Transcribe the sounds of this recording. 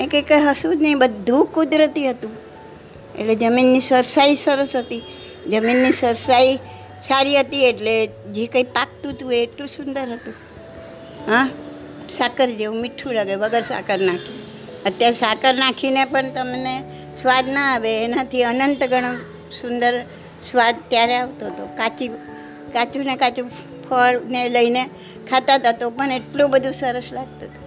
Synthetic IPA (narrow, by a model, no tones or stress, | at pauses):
ekekəɦəsud̪nəĩbəd̪ʱːũkud̪ɾət̪iɦət̪ũ | ḛled͡ʒəminːisəɾsaisəɾəsɦət̪i | d͡ʒəminːisəɾsai | saɾiɦət̪ieʈle | d͡ʒekaipak̚t̪ũt̪ueːʈlũsʊnd̪əɾɦət̪ũ | ɦã | sakəɾd͡ʒeũmɪʈʰːulaɡeʋəɡəɾsa̰kəɾnakʰi | ət̪jaɾesakəɾnakʰinepəɳt̪əmne | sʋad̪nəaʋeːnat̪ʰiənənt̪ɡʱəɽ̃o | sʊnd̪əɾ | sʋad̪t̪jaɾeaʋt̪oɦt̪okat͡ʃi | kat͡ʃunekat͡ʃu | pʰəɭneləine | kʰat̪at̪at̪opəɳeʈlobəd̪ʱusəɾəslaɡ̚t̪ot̪o̥